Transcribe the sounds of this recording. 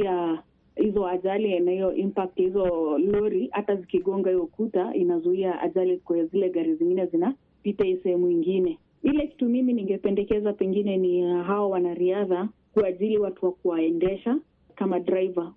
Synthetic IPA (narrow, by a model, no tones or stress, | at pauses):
a | hizɔaʄalinahijɔʔimpak̚thizɔlɔɾihatazikiɠɔŋɡahijɔkutaʔinazuiaʔa̰ʄalikzilɛɡaɾiziŋɡinɛzina | pitaisɛhɛmuiŋɡinɛ | ilɛki̥tumiminiŋɡɛpɛndɛkɛzapɛŋɡinɛniɦawawanaɾiaðakuaʄiliwatuwakuwaɛndɛʃa | kamadɾaiva